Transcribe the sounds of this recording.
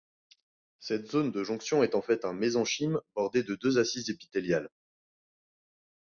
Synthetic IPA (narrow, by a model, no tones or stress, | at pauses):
sɛt̪zond̪əʒɔ̃ksjɔ̃ɛt̪ɑ̃fɛt̪ɛ̃mezɑ̃ʃimbɔʁd̪ed̪əd̪øzasizepi̥t̪eljal